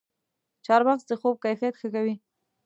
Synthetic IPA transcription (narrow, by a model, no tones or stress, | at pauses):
t͡ʃɑɾbaxsd̪əxob̚kajfijat̪xəkawi